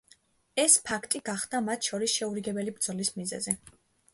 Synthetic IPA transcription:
ɛspʰakʰt̪ʼiɡaχd̪̥amat̪ʰʃɔɾisʃɛuɾiɡɛbɛlibɾd̪z̥ɔlismizɛ̰zɛ

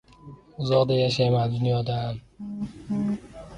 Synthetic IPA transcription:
ʊzɒʁd̪ajaʃajmand̪ʊnjɒd̪am

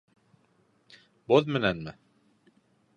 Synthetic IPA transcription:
boðmɘ̆nænmɘ

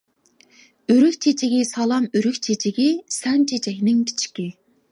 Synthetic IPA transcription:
yɾykʲt͡ʃʰet͡ʃʰiɡʲisɑlˠɑmyɾykʲt͡ʃʰet͡ʃʰɪɡʲisɛnt͡ʃʰet͡ʃʰɛkʲnɪŋkʲʰi̥t͡ʃʰi̥kʲi

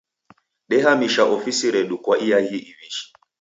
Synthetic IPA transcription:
ɗɛɦamiʃaʔɔfisiɾɛɗukwaʔiahiʔiviʃi̥

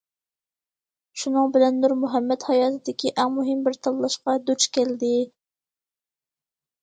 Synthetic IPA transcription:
ʃunɨŋbɪlɛnd̪uɾmuɦɛmːɛt̪hɑjɑːt̪ʰɨd̪ɪkʲiʔæŋmuɦɪmbɪɾt̪ʰɑlˠlˠɑʃqɑd̪uɾt͡ʃkʲɛld̪ɪ

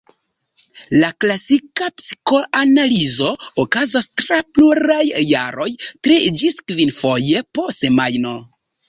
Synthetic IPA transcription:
laklasikapsi̥ko̞ʔanalizo̞okazastɾapluɾajːa̰ɾo̞jtɾid͡ʒiskvinfo̞je̞po̞semajno̞

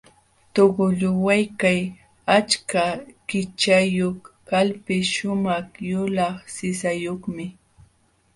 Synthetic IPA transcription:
t̪oɢʊʎʊwajkaj | at͡ʃkakɪt͡ʃajoχkalpɪʃʊmɑχjʊlɑχsɪsajoχmɪ

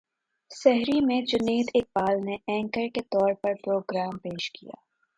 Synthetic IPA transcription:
sɛɦɾimẽd͡ʒʊneːd̪ɪk̚baːlneʔɛ̃ːŋkəɾket̪ɔːɾpɐɾpɾoːɡɾaːmpeːʃkḭja̰ː

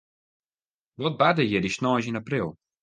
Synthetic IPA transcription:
ʋɔt̚badəjədisnɔːsinaprilˠ

